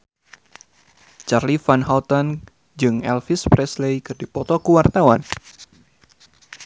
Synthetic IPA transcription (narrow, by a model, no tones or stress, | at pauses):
t͡ʃarlifanɦalt̪an | d͡ʒɨŋɛlfispɾɛslejkɨrdipɔt̪ɔkuwart̪awan